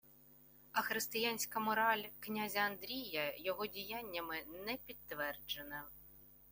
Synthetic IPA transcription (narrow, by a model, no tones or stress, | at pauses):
ɐxɾɪst̪ɪjanʲsʲkɐmɔɾɑlʲknʲazʲɐɐnd̪ɾʲijɐjɔɦɔdʲijanʲːɐmɪnɛpʲit̪ːʋɛrd͡ʒenɐ